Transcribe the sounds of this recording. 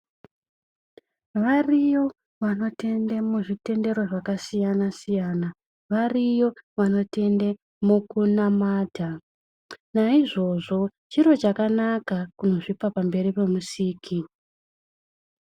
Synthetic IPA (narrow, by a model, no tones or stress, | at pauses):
ʋarijo̞ | ʋano̞te̞ndemuʐite̞nde̞ɾo̞ʐakasijanasijana | ʋarijo̞ʋano̞te̞nde | mukunamaːdʱa | naiʐo̞ʐo̞ | t͡ʃiɾo̞t͡ʃakanakakuno̞ʐipapambe̞ripe̞musiːkʰi